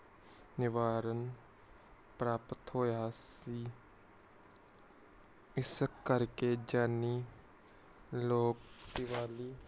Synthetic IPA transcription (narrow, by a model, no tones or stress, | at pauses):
nɪʋaːɾən | pɾaːpət̪ʰɦoːjaːsiː | ɪsəkːəɾked͡ʒaːniː | loːkd̪ɪʋaːliː